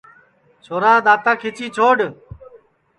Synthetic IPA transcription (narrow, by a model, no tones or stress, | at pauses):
t͡ʃʰoːɾãːd̪aːt̪ãːkʰɪt͡ʃiːt͡ʃʰoːɖ